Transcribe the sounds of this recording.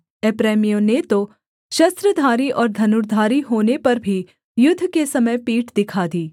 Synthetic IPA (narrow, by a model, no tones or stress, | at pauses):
ɛpɾɛːmijonet̪o | ʃɐst̪ɾəd̪ʱaːɾiʔɔːɾd̪ʱɐnʊɾd̪ʱaːɾiɦoːnepɐɾbʱi | jʊd̪ʱːkesɐməjpiːʈd̪ɪkʰad̪iː